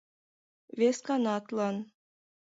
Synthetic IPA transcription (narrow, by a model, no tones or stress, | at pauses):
vʲeskɑnɑt̪lˠɑn